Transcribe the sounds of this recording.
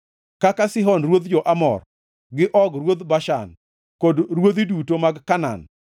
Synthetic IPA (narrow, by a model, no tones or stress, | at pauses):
kakasɪɦɔnrwod̪d͡ʒɔʔamɔ̰r | ɡɪʔɔɡɾwod̪baʃa̰n | kodɾwod̪idutomaɡkana̰n